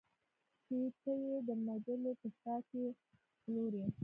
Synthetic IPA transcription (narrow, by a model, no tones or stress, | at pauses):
t͡ʃet̪əjed̪əmad̪əlopəsɑke | loɾi